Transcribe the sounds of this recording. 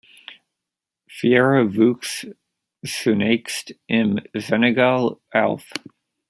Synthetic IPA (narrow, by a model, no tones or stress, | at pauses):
fiɛɹɨvʉks | sɨneɪkstʔɪ̃nzɛnɨɡɑlˠɛ̰lˠθ